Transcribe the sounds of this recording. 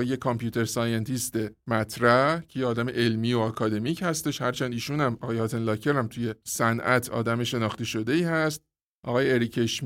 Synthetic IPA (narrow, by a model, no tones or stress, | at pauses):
ejekʰːɒmpʰjuːt̪ʰe̞ɾsɒːjent̪ʰist̪e̞mæt̪ʰɾæcʰe̞jeɒːd̪æme̞ʔe̞lmiːoɒkʰɒːd̪e̞micʰhæst̪e̞ʃhæɾt͡ʃʰæːnd̪iːʃuːnæmɒɣɒːjeɒːt̪ʰenlɒːcʰe̞ɾæmt̪ʰuje̞sænʔæt̪ʰɒ̰ːd̪æme̞ʃe̞nɒːχt̪eʃo̞d̪e̞iːhæst̪̚ | ʔɒːɣɒːjeːɾicʰeʃm